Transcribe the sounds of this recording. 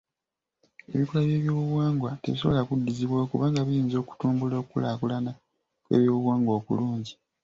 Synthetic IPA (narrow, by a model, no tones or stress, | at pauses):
ḛβikolaβje̞ːβjoːβuβwaːŋɡwateβis̬o̞βolakudːiziβwakuβaːŋɡaβujiːnzo̞ːku̥tuːmbuloːkkulakulana | kwe̞̰ːβjoːβuβwaːŋɡwoːkṵluːɲɟi